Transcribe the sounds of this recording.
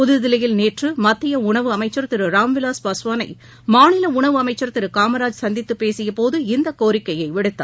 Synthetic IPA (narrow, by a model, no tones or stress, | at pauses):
pʊðɯðɪlɐjɪlneːʈrɯmɐt̪ːɪjɐʊɳɐʋɯɐmɐɪt͡ʃːɐɾt̪ːɪɾɯɾaːmʋɪlaːspɐsʋaːnɐɪ | maːɳɪlɐʊɳɐʋɯɐmɐɪt͡ʃːɐɾt̪ːɪɾɯkaːmɐɾaːd͡ʒsɐnd̪ɪt̪ːɯpːeːsɪjɐpoːðɯɪnd̪ɐkoːɾɪkːɐjɐɪʋɪɽɯt̪ːa̰ː